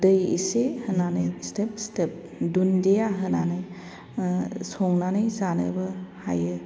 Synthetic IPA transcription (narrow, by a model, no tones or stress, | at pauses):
dɯjḭsehɯnanɯjstepstep̚ | dundejaɦɯnanɯj | sɔŋnanɯjzanɯ̰bɯhajɯ